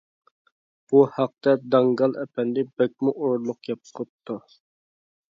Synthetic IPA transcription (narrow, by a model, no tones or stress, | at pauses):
b̥uhɑq̚t̪ɛd̪ɑŋɡɑlˠɛpʰɛnd̪ɪbɛk̚ʲmuʔoɾlˠʊqjɑp̚ʰp̚t̪ʰːu